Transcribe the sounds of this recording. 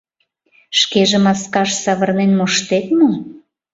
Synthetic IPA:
ʃkeʒĕmɑskɑʃsɑβɤ̆rnenmoʃt̪et̪̚mo

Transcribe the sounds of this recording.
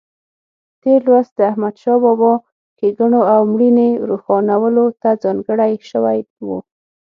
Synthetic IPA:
t̪elwazd̪əahmad̪ʃɑbɔbɑ | keɡaɳoawmɽineɾuxɑnawəlot̪ad͡zɑŋɡəɽajʃəwajwu

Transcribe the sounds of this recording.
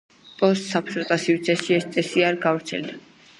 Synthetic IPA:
pʼɔsːapʰsɔt̪ʼasivt̪sʰɛsʃiɛst̪sʼɛsiaɾɡavɾt̪sʰɛ̰ld̪a

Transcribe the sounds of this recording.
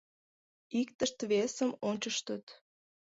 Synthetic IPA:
ikt̪əʃt̪βesəmonʲt͡ɕəʃt̪ət̪

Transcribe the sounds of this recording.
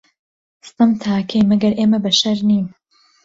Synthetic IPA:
st̪ɨmt̪ʰaːkʰejmɐɡɐɾʔeːmɐbɐʃɐɾniːm

